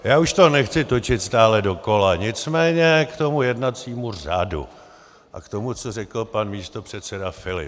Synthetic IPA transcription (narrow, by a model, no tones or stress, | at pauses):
jaːuʃt̪o̞nɛxt͡sɪt̪o̞t͡ʃɪt̪st̪aːlɛdo̞ko̞laɲɪt͡smɛːɲɛkt̪o̞mujɛdnat͡siːmura̰dṵ | ʔa̰kt̪o̞mut͡sorɛkl̩panmiːst̪o̞pr̥ɛt̪sɛdafɪlɪ̰p